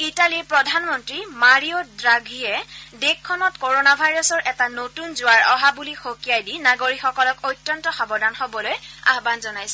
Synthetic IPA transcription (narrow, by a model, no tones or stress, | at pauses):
italipɹɔdʱanmɔntɹimaɹiodɹaɡʱijɛdekʰːɔnɔtkoɹonabʱajɹɔsɔɹʔɛtanotunzʊwaɹɔɦabulixokijajdinaɡoɹixɔkɔlɔkojtːɔntɔxabɔdanxobɔloja̰ɦbanzɔnajsɛ